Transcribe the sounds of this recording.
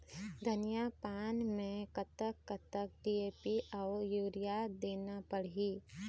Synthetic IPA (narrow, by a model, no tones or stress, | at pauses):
d̪ʱənijapaːnmẽkət̪əkːət̪ək̚ɖieːpiʔɔːjuːɾɪjad̪eːnapəɽiː